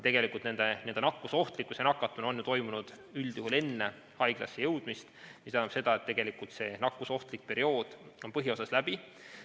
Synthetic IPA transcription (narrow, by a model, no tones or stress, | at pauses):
t̪e̞ɡ̥e̞likːˑult̪ne̞nd̪̥ened̪enɑkːuso̞ht̪likːˑusenɑkːˑɑt̪ːˑuno̞njut̪o̞jmunud̪̥ | yld̪̥juɦule̞nːe | hɑjɡ̥lɑ̰sːejɤwd̪̥mist̪misɑnːupse̞d̪̥ɑe̞t̪ːe̞ɡ̥e̞likːˑult̪se̞nɑkːˑuso̞ht̪lik̚pe̞ɾio̞ːd̪̥onpɤɦio̞sɑslæb̥i